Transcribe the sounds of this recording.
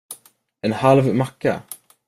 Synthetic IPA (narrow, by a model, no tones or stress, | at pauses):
ɛnhalvmakːa̰